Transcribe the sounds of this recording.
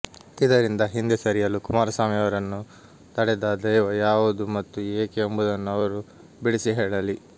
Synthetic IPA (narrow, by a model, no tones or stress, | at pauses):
id̪ɐɾind̪ɐɦind̪esɐɾijɐlukumaːɾɐsaːmijɐʋɐɾɐnːu | t̪ɐɽɛd̪aːd̪ɐjʋɐjaːʋud̪umɐt̪ːueːkeembud̪ɐnːuɐʋɐɾu | biɽisiɦɛːɭɐli